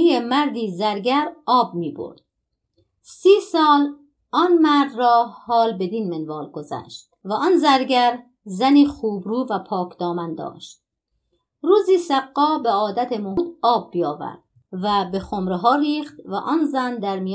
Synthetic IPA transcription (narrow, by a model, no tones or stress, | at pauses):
ijemæɾd̪iːzæɾɡæɾɒːb̚miːbo̰ɾd̪̥̚ | siːsɒːl | ʔɒnmæɾd̪rɒːhɒːlbe̞d̪inmenvɒːlɡozæ̰ːʃt̪̚væʔɒːnzæɾɡæɾ | zæniːχuːbɾuːvæpʰɒːkʰd̪ɒːmænd̪ɒ̰ːʃt̪̚ | ɾuːziːsæɡːɒːbeɒːd̪æt̪ʰemohuːd̪ɒːb̚ːijɒːvæ̰ɾd̪̥ | væbe̞χomɾeɦɒːɾiːχt̪væ̰ʔɒːnzænd̪æɾmij